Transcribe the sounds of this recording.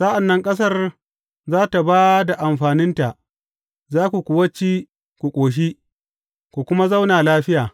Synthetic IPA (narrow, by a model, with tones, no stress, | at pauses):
sa˦ʔa˨nːɐ˦ŋkʼɐ˦s̬ɐ˦r | zaː˦ta˨baː˦da˨ʔa˨mɸaː˨nɪ˦nta˨ʔ | zaː˦kʷu˨kʷʊ˨wɐ˦t͡ʃːi˦ | kʷu˨kʷʼoː˨ʃ̬i˦ | kʷu˨kʷʊ˦ma˦za˦wnaː˨laː˦ɸɪ˦jaː˨